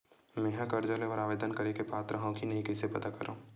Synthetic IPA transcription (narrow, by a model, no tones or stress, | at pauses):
mɛ̃ːɦãkɐɾd͡ʒəlẽɔːɾaːʋeːd̪ənkɐɾekepaːt̪ɾɐɦãkinɐɦĩkɛːsepɐt̪akɐɾõ̰ː